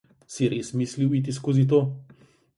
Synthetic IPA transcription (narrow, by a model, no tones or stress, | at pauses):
siɾʔeːsmisliwit̪̬iskoːzit̪̬oː